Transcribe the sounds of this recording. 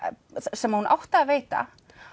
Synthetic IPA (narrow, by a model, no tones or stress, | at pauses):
sɛmːahunʔa̰wht̪aːveːjt̪a̰